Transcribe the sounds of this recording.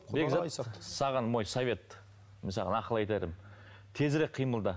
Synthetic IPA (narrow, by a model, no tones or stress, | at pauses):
beɡzasɑʁɑnmo̞jsovʲe̞t̪ | mɪnsɑʁɑ̰nɑqəlˠɑjt̪ed̪ɪm | t̪ʰe̞zɾek̚qʰijməlˠd̪ə